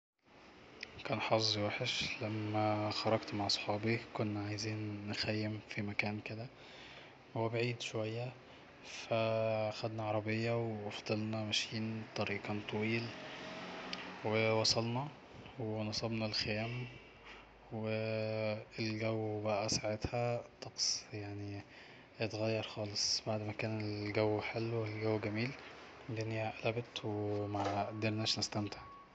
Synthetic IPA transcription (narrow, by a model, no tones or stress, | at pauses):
kæːnħɑszˤwæħeʃlæmːæxɑɾˤɑɡt̪maʕɑsˤħɑːbikonːæʕajziːnːexæjːemfimækæːnked̪æ | hwebaʕiːd̪ʃowæjːæ | fææxæd̪næʕɑɾˤɑbejːɑwewɑfd̪ˤelnɑmæʃiːnt̪ˤɑɾiːqɑnt̪ˤʰɑwiːl | wewɑsˤɑlnɑ | wenɑsˤɑbnɑlxejæːm | we | elɡæwːbæʔæsaʕet̪hæt̪ˤːɑqsˤjaʕni | jet̪ɣæjːɑɾˤxɑːlesˤbaʕd̪mækæːnelɡæwːħelːwelɡæwːɡæmiːlɡænjæʔælæbet̪wemæd̪eɾnæʃnæst̪æmt̪e̥ʕ